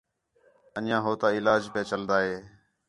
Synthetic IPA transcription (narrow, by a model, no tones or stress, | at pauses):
ənjãːɦoːt̪aːɪlaːd͡ʒpẽːt͡ʃəld̪aːɦeː